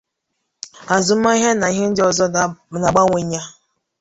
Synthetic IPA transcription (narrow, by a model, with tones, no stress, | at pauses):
a˨zʊ˨m̩˦ma˦i˦ɦe˦na˨i˦ɦe˦n̩˦dɪ˦ɔ˨zɔ˦da˨na˨ɡ͡ba˦ŋʷe˨ɲa˦